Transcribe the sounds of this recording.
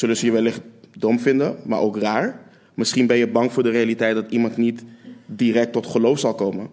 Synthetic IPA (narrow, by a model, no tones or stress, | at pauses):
sɵlənzəjəʋɛlɪχtdɔmfɪndəma̰ːɹʔowkraːɹ | mɪsχinbɛnjəbɑŋfʊːɹdərejalitɛjt̚dɑtimɑntnitdiːrɛk̚tɔtχəlowfsɑlˠkowmən